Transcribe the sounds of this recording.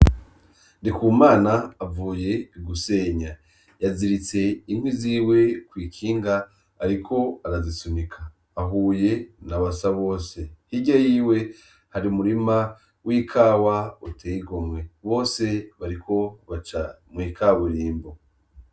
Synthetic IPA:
ndikuːmaːnaːvuːje̞iɡuse̞ɲa | jaziɾit͡se̞inhwiziːwe̞kwiːkʰiːŋɡaː | ɾikʰo̞aɾazisunikʰaː | ɦuːje̞naβasaβo̞ːse̞hiɟajiːwe̞ | haɾiumuɾima | wʔiːkʰaːwautʰeːiɡomŋe̞βo̞ːse̞βaɾikʰo̞βat͡ʃa | mwiːkʰaβuɾiːmbo

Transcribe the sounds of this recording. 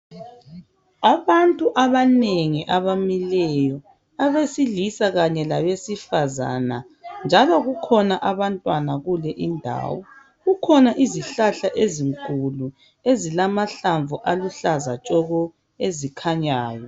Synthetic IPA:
aβantʼuʔaβaneŋiʔaβamilɛjɔ | aβesilisaɣaɲɛlaβesifaza̰na | nd͡ʒʱalɔɣukʰɔnaʔaβantʼwanaɣulɛʔindʱa̰ːwɔ | ɣukʰɔnaʔiziɬaɬaʔeziŋkʼulu | ezilamaɬaɱvuʔaluɬaza̰t͡ʃʼɔɣɔ | ezikʰaɲaːjɔ

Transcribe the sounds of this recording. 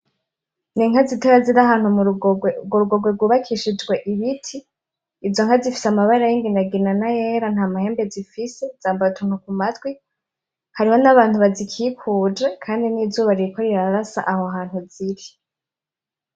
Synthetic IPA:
niŋhaziteɾaziɾaɦaːn̥humɡoɾuɡwo̞ɡweɡwuβakʰiʃid͡ʒɡwe̞ʔiβitʰiː | zo̞ŋhazifi̥samaβaɾajiŋɡinaɡinanajeɾan̥haːmahe̞ːmbezifise̞z̥aːmbautʰuːnhukumatwi | haɾiho̞naβaːn̥huβazikʰiːkʰuːd͡ʒekʰaːndiniːzuːβaɾiikʰoɾiɾaɾasa̰ʔahoɦaːn̥huziɾi

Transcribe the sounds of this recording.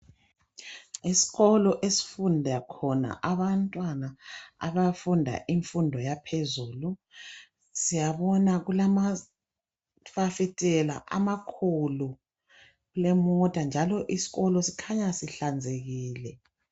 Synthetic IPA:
isi̥ɣɔlɔʔesi̥fundʱakʰɔna̰ʔaβantʼwanaa̰βafundʱa̰ʔiɱfundʱɔjapʰezuːlu | sijaβɔnaɣulama | fafitʼɛla̰ʔa̰makʰulu | ɣulɛmɔtʼand͡ʒʱalɔʔisi̥ɣɔlɔsi̥kʰaɲasiɬand͡zʱeɣiːlɛ

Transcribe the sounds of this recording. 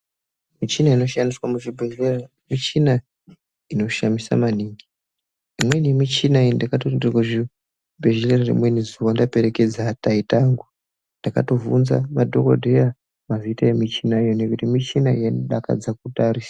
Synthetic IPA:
mit͡ʃinaino̞ʃandiswamuʐibʱeʒera | mit͡ʃina | ino̞ʃamisa̰maniːŋɡi | imwe̞nimit͡ʃinaindakatondrakuʐi | bʱeʒelerarḭmwenizuʋandape̞ɾe̞ke̞d͡zataitaːŋɡu | ndaka̰to̞vṵnza̰madʱo̞ko̰dʱeja | mavitaemit͡ʃinajonekutimit͡ʃinaijenɗaka̰d͡zakutaɾisḁ

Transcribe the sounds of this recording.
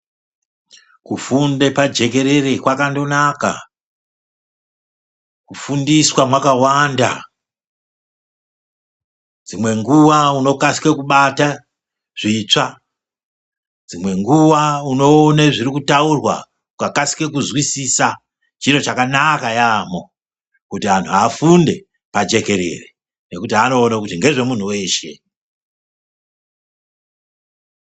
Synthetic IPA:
kufundepad͡ʒe̞k̬e̞ɾe̞re̞kwakando̞naka̰ | kufundiswamwakawanda̰ | d͡zimwe̞ŋɡuʋauno̞kasi̥kekuɓata | ʐ̥it͡ʂa | d͡zimwe̞ŋɡuʋauno̞ːneʐirikutaurwa̰ | kukakasi̥ke̞kuzwisisa | t͡ʃiro̞t͡ʃakanakajaːmo̞ | kutian̤uafunde̞ | pad͡ʒe̞ke̞ɾe̞̰re | ne̞kutiɦano̞ːnakutiŋɡe̞ʐe̞mun̤uwe̞ːʃe̞̰

